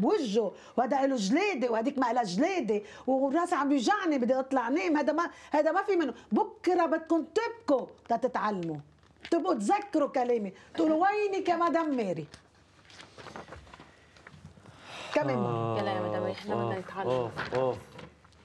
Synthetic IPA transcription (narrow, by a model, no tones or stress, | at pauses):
bwɪʒːo | whad̪aʔɪluʒleːd̪ewhad̪iːkmaʔɪlaʒleːd̪e | wrˤːɑːʔsʕambjɪʒaʕnibɪd̪ːiʔɨt̪ˤlɑʕneːmhajd̪amahajd̪amafimɪnːʊbʊkːɾɑbɪt̪̚kuːnt̪ɪb̚kut̪ɑt̪ɪt̪ʕalːmu | t̪ɪbʔut̪zakːɾukaleːmet̪ʔuːluwajnikamad̪amːeːɾi | kameːnalamad̪abajɪħlabad̪ajɪt̪ʕalː